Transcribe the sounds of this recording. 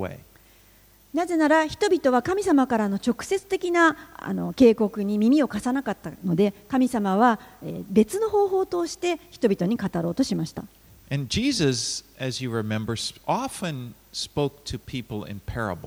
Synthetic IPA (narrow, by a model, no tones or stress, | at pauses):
wḛɪ | naze̞naɾaçi̥t̪o̞bʲit̪o̞β̞akamʲisamakaɾano̞t͡ɕo̞kɯ̟̥se̞t͡sɨ̥t̪e̞kʲinaa̰no̞̰ke̞ːko̞kɯ̟ɲ̟imʲimʲio̞kasanakat̪ːano̞d̪e̞kamʲisamaβ̞aebe̞t͡sɨno̞ɦo̞ːɦo̞ːt̪o̞ːɕi̥t̪e̞çi̥t̪o̞bʲit̪oɲ̟ikat̪aɾo̞ːt̪o̞ɕimaɕi̥t̪a̰ | ʔɨ̃nd͡ʒizəzɨzjɨɹɪmɛ̃mbə˞sʔɑfɨ̃n | spoʊk̚tʰɨpʰipl̩ˠɪ̰̃npʰɛɹə̰bl̩